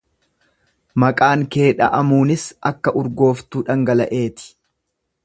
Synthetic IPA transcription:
mɐkʼaːŋke̞ːᶑɐ̰ʔɐmuːnɪsɐkːɐʔʊɾɡo̞ːft̪uːᶑɐŋɡɐlɐ̰ʔe̞ːt̪ɪ̥

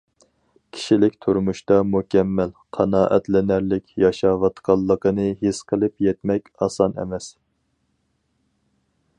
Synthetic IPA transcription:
kʲʰi̥ʃilɪkʲt̪ʰuɾmuʃt̪ɑmukʲʰɛmːælqʰɑnɑːʔɛ̰t̪lɪnæɾlɪkʲjɑʃɑːwɑt̪qʰɑlˠːəqənɨɦisqʰəlˠɨpjɛt̪mɛkʲɑːsɑnɛ̰mɛs

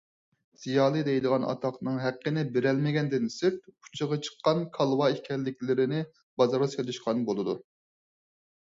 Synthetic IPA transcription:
z̥ijɑːlˠɨd̪ɛjd̪ɨʁɑnɑ̰t̪ʰɑqnɨŋɦæqʰːənɪbɪɾɛlmɪɡʲɛnd̪ɪnsɪɾt̪̚ʰu̥t͡ʃʰɨʁɑt͡ʃʰə̥qːɑnkʰɑlˠwɑihkʲʰɛlːɪkʲlɪɾɪnɪ | bɑzɑɾɑsølˠɪʃqʰɑnbolˠɨd̪u

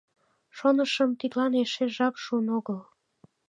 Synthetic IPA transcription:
ʃonəʃəmt̪it̪lɑneʃeʒɑpʃuənoɣəl

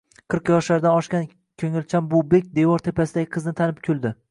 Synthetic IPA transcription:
qʰɨɾqjɒʃlaɾd̪anɒʃkʲan | kʲʰɵŋɪlt͡ʃʰambʊbek̚ʲd̪e̞vɒɾt̪ʰe̞pʰasɪd̪aɡʲɪqʰɨznɪt̪ʰanɪp̚kʲʰʊlˠd̪ɪ

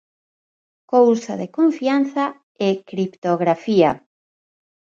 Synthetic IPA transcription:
kowsaðekoɱfian̟θa | ekɾipt̪oɣɾafia

